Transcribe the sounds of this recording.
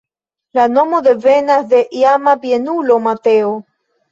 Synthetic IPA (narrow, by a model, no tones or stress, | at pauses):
lanomoðevenasd̪eʔiamabienulomat̪eo